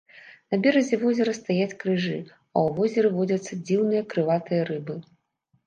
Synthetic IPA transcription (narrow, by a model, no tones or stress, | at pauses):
nɐbʲɛɾɐzʲɛvɔzʲɛɾɐst̪ajat͡sʲkɾɨʐɨ | ɐ̰wvɔzʲɐɾɨvɔd͡zʲɐt̪sːɐd͡zʲiwnɨjɐkɾɨvat̪ɨjɐɾɨbɨ